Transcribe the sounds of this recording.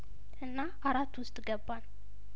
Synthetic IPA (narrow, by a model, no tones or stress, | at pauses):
ʔɨnːaʔaɾat̪ːwʊst̪ʼɡəbːan